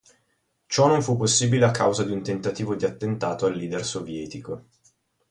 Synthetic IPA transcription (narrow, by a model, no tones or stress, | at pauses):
t͡ʃɔnoɱfupːosːiːbileakːawzad̪iunt̪ent̪at̪iːvod̪iat̪ːent̪aːt̪oalːiːd̪ersovjɛːt̪iko